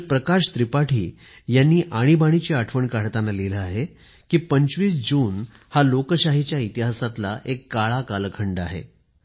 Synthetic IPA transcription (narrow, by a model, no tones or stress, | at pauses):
pɾəkaɕt̪ɾipaʈʰḭː | janːiːʔaɽ̃ibaɽ̃it͡ɕeaʈʰʋəɳkaɽt̪analeləaɦe | kiːpəɲt͡ɕʋiːsd͡ʑuːn | halokəɕaɦit͡ɕjait̪iɦasat̪laʔekɡaɭakalkʰəɳɖa̰ɦḛ